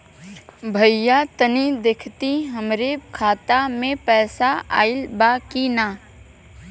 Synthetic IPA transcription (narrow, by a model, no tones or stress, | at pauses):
bʱəjjːat̪ənid̪eːkʰt̪iɦəmɾekʰaːt̪amẽpɛːsaa̰ːɪlbaːkinaː